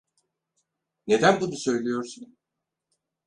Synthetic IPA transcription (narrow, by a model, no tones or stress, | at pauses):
ne̞d̪ænbunusø̞jlʲijo̞ɾsun